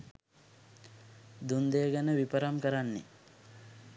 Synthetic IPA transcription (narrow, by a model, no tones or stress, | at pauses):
d̪und̪ejəɡənəʋipəɾamkəɾanːḛ